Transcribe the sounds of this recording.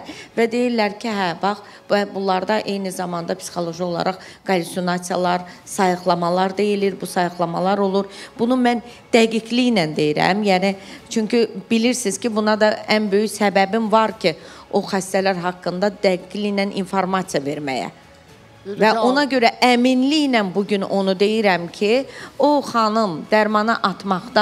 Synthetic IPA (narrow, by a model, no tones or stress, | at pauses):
væd̪e̞jiɾlæɾcʰiɦæbɑχ | bæbulˠɑɾd̪ɑʔe̞jnizɑmɑnd̪ɑpʰsi̥xo̞lˠo̞ʒio̞lˠɑ̰ɾɑχɡ̥ɑlʲisjonɑt̪sijɑlˠɑɾsɑjɯχlˠɑmɑlˠɑɾd̪e̞jiliɾbusɑjɯχlˠɑmɑlˠɑɾo̞lˠuɾb̥unumæn | d̪̥æɡiɟlijnænd̪e̞jiɾæ̰mjænit͡ʃʰyɲcib̥iliɾsiz̥cʰibunɑd̪ɑænbø̞jyçsæbæbimvɑɾcʰio̞xæst̪ælæɾɦɑkːɯnd̪ɑd̪æɡiɟlijnænʔḭnfoɾmɑt̪sijɑve̞ɾmæ̰jæ̰ | væo̞nɑɟø̞ɾæʔæminlijnænbuɟyno̞nud̪e̞jiɾæmcʰioχɑnɯmd̪æɾmɑnɯʔɑt̪mɑχd̪ɑ